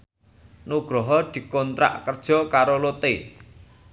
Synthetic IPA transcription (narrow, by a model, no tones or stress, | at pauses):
nuɡ̥ɾɔɦɔd̪̥i̤kɔnt̪ɾa̰ʔkərd̥ʒ̥ɔ̤kaɾolot̪e